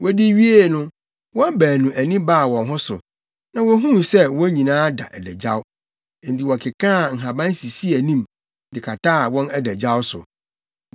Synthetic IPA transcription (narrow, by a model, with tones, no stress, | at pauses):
wʔɔ˦di˦ɥi˦e˦˨nʊ̃˦ | wɔ̃˦m˦bæː˨nũ˨ʔæ˨nĩ˦baː˦˨wɔ̃˨nɦʊ̃˦sʊ̰˨ | nã˨wɔ˦ɦũ˦sɛ˦wɔ̃˦ɲĩ˨nãː˦da̰˨ʔæ˨dæ˨d͡ʑa˦ʊ˦˨ | n̩˨tʰi˨wɔ˨kʰɪ˨kʰãː˦˨ŋ̩˨ɦã˨bã˦n˦si˨si˦æ˨nĩ˦m | dɪ˨kʰa˨tʰaː˦˨wɔ̃˦nɛ˦dæ˨d͡ʑa˦wʊ˦sʊ̰˨